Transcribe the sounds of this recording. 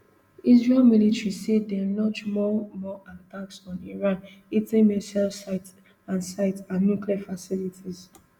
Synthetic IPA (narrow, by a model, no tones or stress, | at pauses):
izɹɛlmilitɹisedɛlɔt͡ʃmɔmɔʔataksɔ̃niɹãn | itĩŋmɛsɛlsaɪt | ãnsaɪtãnːukliafasilitʰiz